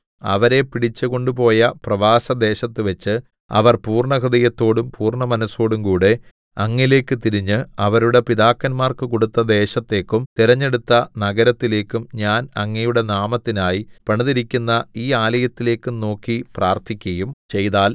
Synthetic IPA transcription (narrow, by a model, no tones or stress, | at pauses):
ɐ̰ʋɐɾe̞piɽit͡ɕːuko̞ɳɖupo̞ːjɐprɐʋaːsɐd̪e̞ːɕɐt̪ːɨʋɐt͡ɕːɨ | ɐ̰ʋɐrpuːrɳɐɦrɐd̪ɐjɐt̪ːo̞ːɽumpuːrɳɐmɐnɐso̞ːɽumkuːɽe | ɐŋːile̞ːkːɨt̪iɾiɲːɨɐʋɐɾuɽe̞piðaːkːɐnmaːrkɨko̞ɽut̪ːɐd̪e̞ːɕɐt̪ːe̞ːkːumt̪iɾɐɲːe̞ɽut̪ːɐnɐɡɐɾɐt̪ːile̞ːkːumɲaːnɐŋːɐjuɽe̞naːmɐt̪ːinaːjipɐɳɐðiɾikʲːunːɐiːaːlɐjɐt̪ːile̞ːkːuno̞ːkːipraːrt̪ʰikʲːɐjumt͡ɕe̞jðaːl